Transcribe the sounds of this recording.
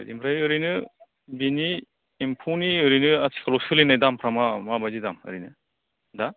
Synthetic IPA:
ɯ̰dimpʰɾajɯɾinɯ | biniː | mpʰuniɯɾinɯasʰi̥kʰalɔsɯlinajdampʰɾamamabazidamɯ̰ɾinɯ | da

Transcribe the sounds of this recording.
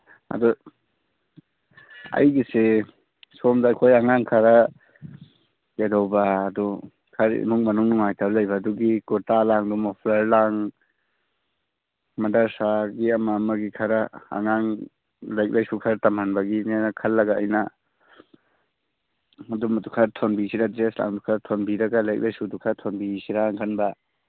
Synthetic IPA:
ɐ̰du | ɐ̰jɡise | somdaːjkʰojaŋaŋkʰaɾa | kedɔwbaːdu | kʰaɾḭnuŋmɐnuŋnuŋajtʰaɾlajbaːduɡikɔtalaŋdɔmɔpʰlaɾlaŋ | mɐdɐɾsaɡiɐmamɐɡikʰaɾɐɐ̰ŋaŋ | lajk̚lʔajsukʰaɾɐtamanbɐɡinanɐkʰɐlːɐɡaːjnɐ | ɐdumdukʰɐɾtʰonbisiɾadɾesla̰ŋdukʰaɾtʰonbiɾɐɡalajk̚lajsudukʰaɾtʰonbisiɾaŋkʰɐnbɐ

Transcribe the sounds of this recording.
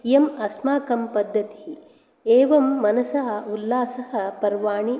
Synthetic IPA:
jemɐsmaːkɐmpɐd̪ʱːɐt̪i̥ | eːʋɐmːɐnɐsɐɦɐ̆ulːaːsɐɦɐ̆pɐɾʋaːɳi

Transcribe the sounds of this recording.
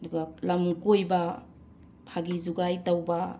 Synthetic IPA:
duɡalamkojba | pʰaɡizuɡajtawba

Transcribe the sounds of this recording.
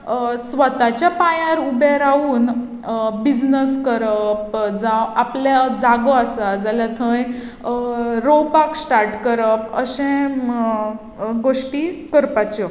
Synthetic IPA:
sʋət̪at͡ɕjapajãɾubeɾauːn | bid͡znəskəɾəp̚d͡zaaplad͡zaɡoasad͡zalat̪ʰə̃j | ɾopaksʈaɾʈkəɾəpəsẽ | ɡoʂʈikəɾpat͡ɕɔ

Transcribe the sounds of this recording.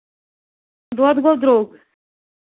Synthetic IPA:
d̪ɔd̪ɡɔd̪ɾoːɡ

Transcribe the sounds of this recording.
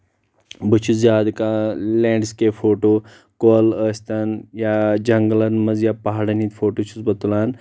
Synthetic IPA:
bət͡ʃʰut͡sjaːd̪kalẽɖskefoːʈo | koləst̪anjad͡ʑɐŋɡlɐnmɐd͡zjapaɦaɽənit̪foʈot͡ʃʰut͡sbɐt̪ulaːn

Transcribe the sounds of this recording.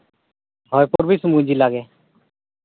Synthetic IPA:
ɦɔːjpoɾbisũmũɲd͡ʒiːlaːɡeː

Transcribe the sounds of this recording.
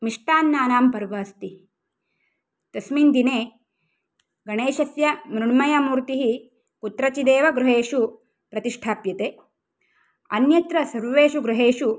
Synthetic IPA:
miʂʈaːnːaːnaːmpɐɾʋɐːst̪i | t̪ɐsmiːnd̪ineː | ɡɐɳeːʃɐsjɐmɾuɳmɐjaːmuːɾt̪iɦi | kut̪ɾɐt͡ʃid̪eːʋɐɡɾuɦeːʂu | pɾɐt̪iʂʈʰaːpjɐt̪eː | ɐ̰njɐt̪ɾɐsɐɾʋeːʃuɡɾuɦeːʂu

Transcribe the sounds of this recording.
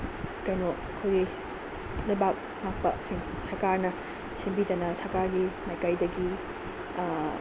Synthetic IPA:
kɐjnoɐkʰojɡi | lɐjbak̚ | mak̚pɐ̰siŋ | sɐɾkaɾnɐ | simbidɐnɐsɐɾkaɾɡimajkajdɐɡi

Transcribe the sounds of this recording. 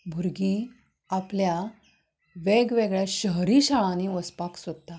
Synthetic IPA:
bʱuɾɡiː | aplja | ʋeɡʋeɡɭjaɕəɦɾiɕaɭãniʋəspaksod̪̚t̪a

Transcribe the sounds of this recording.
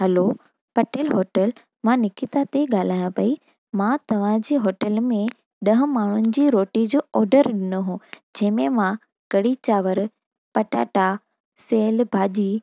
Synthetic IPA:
ɦɐlo | pɐʈelɦoːʈəl | mãnɪkɪt̪at̪eɠaːl̤aːjãpɐi | mãt̪ɐʋ̤ãd͡ʑiːɦoːʈəlmẽ | ɗɐ̃ɦʊ̃maːɳ̤ʊnɪ̆d͡ʑiːɾoːʈid͡ʑoːʔɔːɾɖəɾɗɪnʊɦũːd͡ʑɐ̃ɦɪ̃mẽmã | kɐɽit͡ɕaːʋəɾ | pɐʈa̰ːʈa | seːlbʱaːd͡ʑiː

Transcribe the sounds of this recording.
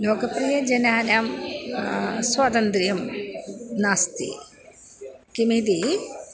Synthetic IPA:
joːɡɐpɾijɐd͡ʒɐnaːnjaːm | swaːt̪ɐnt̪ɾijɐm | naːst̪ḭ | kimid̪i

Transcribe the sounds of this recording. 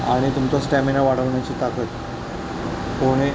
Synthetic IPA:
aɽ̃it̪umt͡sasʈæminaʋaɽ̤əʋɳjat͡ɕiːt̪akət̪ | koɽ̃e

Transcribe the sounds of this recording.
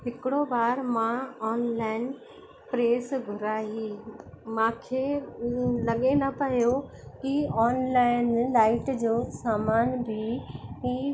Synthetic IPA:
ɦɪkɪɽobaːɾmãɔːnlaːɪn | pɾeːsɡʱʊɾaːɦimãːkʰeː | lɐɠenɐpɐɦjo | kiɔːnlaːɪnlaːɪʈd͡ʑoːsaːmaːnbɪɦĩː

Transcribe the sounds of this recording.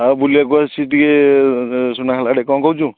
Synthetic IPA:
abuliakuasiʈɡe | sunakʰalaɽɛkɔ̃kɔwt͡ʃũ

